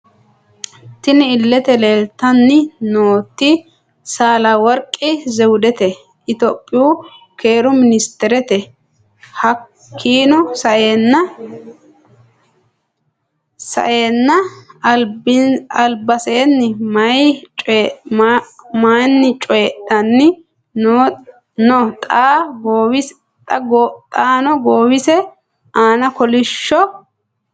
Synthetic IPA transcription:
t̪ɪnɪɪlːɛt̪ɛle̞ːlt̪ːɐnːɪnoːt̪ːɪ | saːlɐwɔɾkʼːɪzɛwʊd̪ɛt̪ɛ | ʔɪt̪oːpʼːɪjuːke̞ːɾʊmɪnɪst̪ɛɾɛt̪ɛ | hɐ | kʰːiːnʊsɐʔnːɐ | sɐ̰ʔeːnːɐɐlbɪɐlbɐseːnːɪmɐjt͡ʃʼ | manːɪt͡ʃʼɔjɛɗɐnːɪ | no | nɔt̪ʼaːɡoːwɪs | t̪ʼɐɡɔt̪ʼaːnɔɡoːwɪsɛ | ʔaːnɐkɔlɪʃːɔ

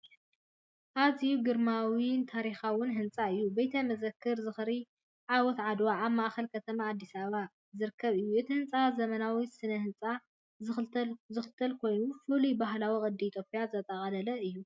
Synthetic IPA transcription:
ʔaziuɡɨɾmawint̪ʰaɾixawʊnɦɨnt͡sʼaɨjːubɐjt̪ʰɐmɐzɐkʰːɨɾzɨxɾi | ʕawɔt̪ʕad̪waʔːβmaʔxɐlkʰɐt̪ʰɐmaːd̪ːisaβa | zɨɾɨkʰːɐβɨjːuʔɨt̪ʰihɨnt͡sʼazɐmɐnawisɨnɐhɨnt͡sʼa | zɨxɨlt̪ʰɐlkʰo̞jnufɨlibaɦlawikʼɨd̪ːiːt̪ʰjopʼijazɐt̪ʼɐχʼɐlɐlɐɨjːu

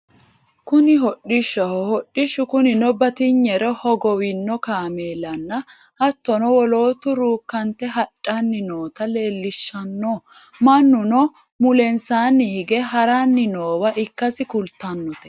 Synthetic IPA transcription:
kʊnɪɦɔɗɪʃːɐhɔhɔɗːɪʃʊkʊnɪnɔbɐt̪ɪɲːɛɾɔhɔɡɔwɪnːɔkaːmeːlɐnːɐ | ʔɐt̪ːɔnɔwɔloːt̪ʊɾuːkːɐnt̪ːɛɦɐᶑʼːanːɪnoːt̪ɐle̞ːlːɪʃːɐnːɔ | mɐnːʊnɔ | mʊlɛnsaːnːɪhɪɡɛɦɐɾanːɪnoːwɐʔɪkːɐsɪkʊlt̪ːɐnːɔt̪ɛ̥

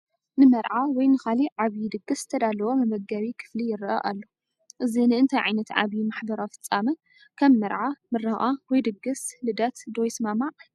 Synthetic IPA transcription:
nɨmɐɾʕawɔjnɨxaliʕaβjid̪ɨɡɨsɨ̥t̪ʰɐd̪alɐwomɨbɐɡːɐβikʰɨ̥flijɪɾʔɐ̰ʔalːo | ʔɨzinɨɨnt̪ʰajʕa̰jnɐt̪ʕa̰βjimaħbɐɾawfɨ̥t͡sʼːamɨ | kʰɐmːɐɾʕamɨɾɐɣawɔjd̪ɨɡɨslɨd̪ɐt̪d̪ojsmamaʕ

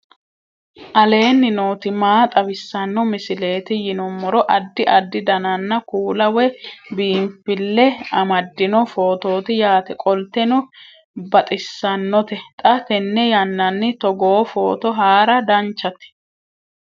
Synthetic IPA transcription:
ʔɐle̞ːnːɪnoːt̪ɪmaːt̪ʼɐwɪsːɐnːɔmɪsɪle̞ːt̪ɪjɪnɔmːɔɾɔʔɐd̪ːɪʔɐd̪ːɪd̪ɐnɐnːɐkuːlɐwɛbiːmfɪlːɛɐmɐd̪ːɪnɔfoːt̪o̞ːt̪ɪjaːt̪ɛkʼɔlt̪ɛnɔ | bɐt̪ʼɪsːɐnːɔt̪ɛt̪ʼɐt̪ɛnːɛjɐnːɐnːɪt̪ɔɡoːfoːt̪ɔɦaːɾɐd̪ɐnt͡ʃːɐt̪ɪ̥

